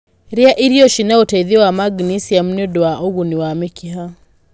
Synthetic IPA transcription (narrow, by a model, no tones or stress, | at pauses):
ɾɛaʔiɾijɔʃinautaiðiwamaɡnisiam̩nudɔaʔuɣuniwamikʰiɦa